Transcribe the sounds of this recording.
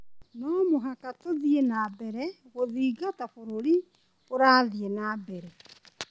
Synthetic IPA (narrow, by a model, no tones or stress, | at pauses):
nɔmoɦakatoðienabɛɾɛ | ɣoðiːɡatafoɾoɾi | oɾaːðienabɛɾɛ